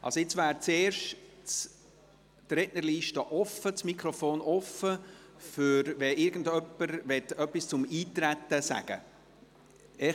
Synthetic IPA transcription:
ʔɑ̰lsoɪt͡svæːɾt͡seːrʃt͡s | dɾɛdnəliːʃtəʔɔfət͡smikʰɾɔfoːnɔfə | fʏɾvɛʔɪɾɡən̩dœpːəɾvɛtœpːist͡sʊmiːtɾæt̪ːəsæ̰ɡ̥ə̰ | ɛ

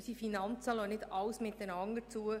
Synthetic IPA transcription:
sifinɑnt͡sɑlonɪdɑwsmɪt̪̚d̥ənɑŋət͡suə

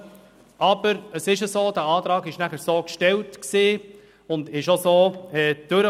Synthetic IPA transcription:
ʔɑb̥əɾəsɪʃəsoːd̥̪æɑːtɾɑːɡɪʃnæχəɾsoːkʃtɛltksiː | ʊndɪʃosoːɛːd̥øɾə

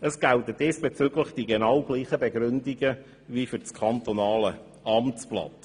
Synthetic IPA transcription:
əsɡ̥ælt̪ədesb̥et͡sʏɡləχd̥iɡenɑwɡ̥liːχəbeɡɾʏndiɡə | ʋifyɾt͡skʰɑnt̪onɑːlə | ɑmt͡splɑ̰t

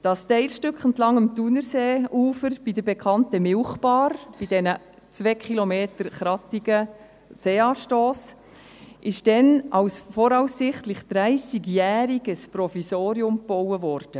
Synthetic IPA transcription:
d̥ɑstɛɪlʃtʏkχəntlɑŋəmtunəɾseːuːfəɾb̥idəbɛkʰɑntəmɪlχpɑːɾb̥id̥ɛnə | t͡sʋɛkʰχilomeːtəɾχɾɑtiɡə | seːɑːʃtoːs | ʔɪʃd̥ɛnʔɑwsfɔɾɑwsːɪχtlɪχd̥ɾæɪsiɡjæːɾiɡ̥əsprɔfisoːɾiʊmb̥ɔwəvɔɾd̥ə

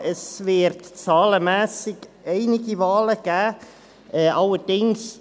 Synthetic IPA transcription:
əsvɪɾtt͡sɑːləmɛːsɪɡ̥eɪnɪɡivɑːləɡ̥æː | ʔɛʔɑləd̥ɪŋs

